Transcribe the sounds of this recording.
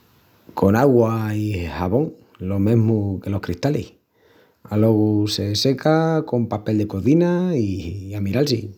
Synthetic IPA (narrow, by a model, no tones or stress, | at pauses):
kʰo̞naɣwaihaβo̞ŋ | lo̞mẽ̞ɦmuke̞lo̞hkɾiht̪alḭh | alo̞ɣuse̞se̞kako̞mpape̞ld̪ekoðinaiamiɾalsi